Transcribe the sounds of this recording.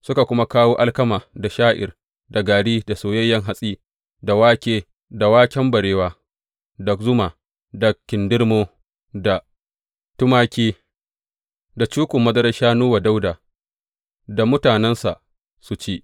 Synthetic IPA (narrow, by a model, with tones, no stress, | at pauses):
sʊ˦ka˨kʷʊ˦ma˦kaː˦woː˦ʔa˦lkɐ˦maː˨da˨ʃaː˦ʔɪ̰˨r | da˨ɡaː˨ɽiː˦da˨soː˨jɐ˦jːɐ˦ŋɦa˨sʼiː˦ | da˨waː˦kʲeː˦ | da˨waː˦kʲɛ˦mbɐ˨ɽeː˦waː˦ | dɐ˨kzʊ˦maː˨ | dɐ˨kʲːɪ˨ndɪ˦rmoː˦ | da˨ | tʊ˦maː˦kʲiː˦ | da˨t͡ʃuː˦kʷʊ˨mːɐ˦dɐ˦ɾɐ˦ʃaː˦nuː˦wa˨da˦wdaː˨ | da˨mʊ˦taː˨nɛ˦nsa̰˨ | su˨t͡ʃiː˦ʔ